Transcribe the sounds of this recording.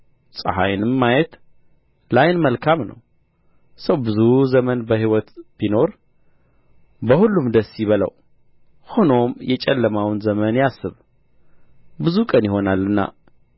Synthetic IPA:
sʼə̰ha̰jnɨmːajɛt̪ | lajnməlkʰamnə̰w | səwbɨzuzəmənbəhiwɔt̪b̥ino̞ɾ | bəhulːumd̪əsːjiβələ̰w | ho̞no̞mjɛt͡ʃʼɛlːəmawnzəmənjasːɨβ | bɨzukʼənjɪho̞nalːɨnːa̰

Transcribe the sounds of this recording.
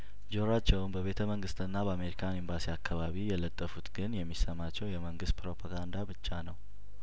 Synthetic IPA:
d͡ʒoɾat͡ʃːɛwunbəβe̞t̪ʰəməŋɡɨst̪ɨnːabəame̞ɾikʰanimbasiakʰːaβaβijɛlət̪ʼːəfut̪ɡɨnjɛmːisəmat͡ʃːɛwjɛməŋɡɨst̪̚pɾo̞pʰaɡand̪abɨt͡ʃːanəw

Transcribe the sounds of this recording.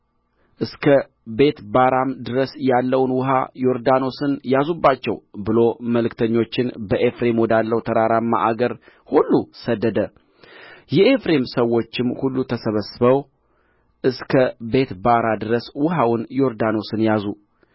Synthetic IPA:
ʔɨskʰə | be̞t̪baɾamd̪ɨɾəsjalːəwnwʊɦa̰jo̞ɾd̪ano̞sɨnjazubːat͡ʃːɛ̰wbɨlo̞məlɨkt̪ʰəɲːo̞t͡ʃːɪnbəʔefɾe̞mwɔd̪alːəwt̪ʰəɾaɾamːa̰ʔaɡəɾ | hulːusəd̪ːəd̪ə | jɛʔefɾe̞msəwo̞t͡ʃːɪmhulːut̪ʰəsəβəsɨβəw | ʔɨskʰəbe̞t̪baɾad̪ɨɾəswʊɦawʊnjo̞ɾd̪ano̞sɨnjazu

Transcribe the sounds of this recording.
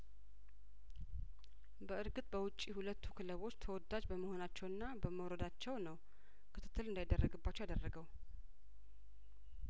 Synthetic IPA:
bəɨɾɡɨt̪ʼbəwʊt͡ʃʼːihulət̪ʰːu̥kʰɨləβo̞t͡ʃːt̪ʰəwɔd̪ad͡ʒbəməho̞nat͡ʃːɛwɨnːabəməwɾəd̪at͡ʃːɛwnəw | kʰɨt̪ʰɨ̥t̪ːɨlɨnd̪ajd̪ərːəɡɨbːat͡ʃːwjad̪ərːəɡəw

